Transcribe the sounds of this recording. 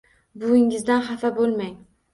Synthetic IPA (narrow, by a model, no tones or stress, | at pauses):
bʊɪŋɪzd̪anχafabolˠmaŋ